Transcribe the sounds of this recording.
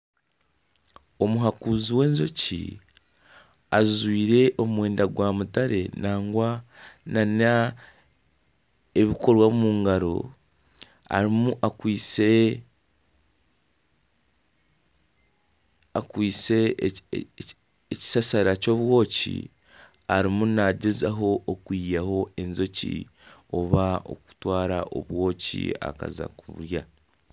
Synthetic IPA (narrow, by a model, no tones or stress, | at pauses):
o̞muɦakuziwe̞ːnzocḭ | azwiːɾe̞ʔo̞mumwe̞ːndaɡwamutaɾe̞naːŋɡwanana | eβiko̞ɾwamumuːŋɡaɾo̞̰ | a̰ɾimuʔakwiːt͡se | akwiːt͡se̞ | eci̥sasaɾaco̞βwo̞ːcḭ | aɾimunnaɟezaɦo̞ʔːkwijaho̞e̞nzo̞cḭ | o̞βao̞̰ku̥twaːɾaʔo̰βwo̞ːcḭa̰ka̰za̰kuβṵɾja